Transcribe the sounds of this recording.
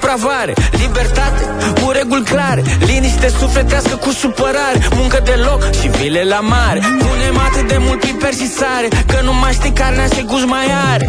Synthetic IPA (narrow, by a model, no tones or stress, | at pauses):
pɾavaɾelibert̪at̪e | kuɾeɡulʲklaɾeliniʃt̪esufet̪easkəkusupəɾaɾemuŋkəd̪elokʃivilelamaɾeunemat̪ɨd̪emult̪ivpert͡ʃisaɾekənumaʃt̪ikaɾnaʃeɡuzmajaɾe